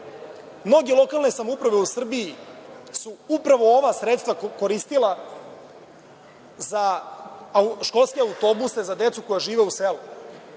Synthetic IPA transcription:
mno̞ɡʲe̞lˠo̞kalˠne̞samoupɾaʋe̞usr̩biisuupɾaʋo̞oʋasɾet̪st̪vako̞ɾist̪ila | za | ʃko̞lˠskeaut̪o̞busezad̪e̞t̪suko̞jaʒiːʋe̞uselu

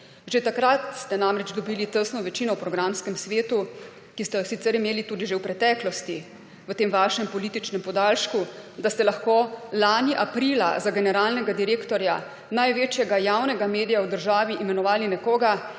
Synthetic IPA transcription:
ʒet̪akɾat̪st̪ɛnamɾɛd͡ʒd̪ɔbiːlit̪əsnɔʋɛt͡ʃinɔwpɾɔɡɾamskɛmsʋeːt̪u | kist̪ɛjɔsit̪sɛɾimeːlit̪uːd̪iʒewpɾɛt̪ɛːklɔst̪i | ʋət̪eːmʋaʃɛmpɔliːt̪it͡ʃnɛmpɔd̪alʃkud̪ast̪ɛlaxkoːlaːniʔapɾila̰zaɡɛnɛɾaːlnɛɡad̪iɾeːkt̪ɔɾja | najʋeːt͡ʃjɛɡajawnɛɡameːd̪ijawd̪əɾʒaːʋiʔimɛnɔʋaːlinɛkoːɡa

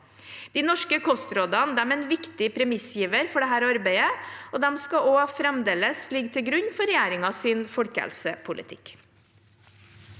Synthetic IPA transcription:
d̪̥iːnɔʂkəkʰɔst̪ɾoːd̪ɑnəd̪ɛmɛːnʋɪkt̪ɪpʰɾɛmɪsjiːʋəɾfɔɖɛɦæːɾɑɾbæɪəoːd̪ɛmskɑoːɑfɾɛmd̪eːləslɪɡt̪ʰɪlɡɾʉɲːfɔɾɛjæːɾɪŋɑsɪːnfɔlkəhɛ̰lsəpʰʊlʔɪ̰t̪ʰɪ̰k

